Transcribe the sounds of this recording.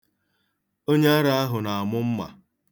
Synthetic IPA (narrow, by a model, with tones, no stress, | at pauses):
o˦ɲe˦a˦ɾa˦a˦ɦʊ˨na˨a˨mʊ˦m̩˦ma̰˨